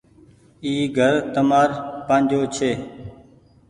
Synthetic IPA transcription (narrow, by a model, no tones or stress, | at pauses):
iːɡʱəɾt̪əmaːɾpãːnd͡ʒʱoːt͡ʃʰeː